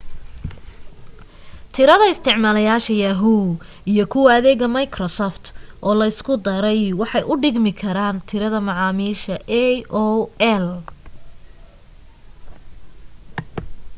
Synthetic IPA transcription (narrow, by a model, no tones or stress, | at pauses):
t̪ʰɪɾɐðɐɪst̪ʰɪʕmaːlɐjaːʃɐjɐɦu | ijɔkʰʊwɐɐðɛːɣɐmɐjkʰrɔsɔft̪ʰʔɔːlɐɪskʰʊd̪ɐɾɛjwɑħɑjʔʊɖɪɡmɪkʰɐɾaːnt̪ʰɪɾɐðɐmɑʕɑːmiːʃɐʔɛɔɛl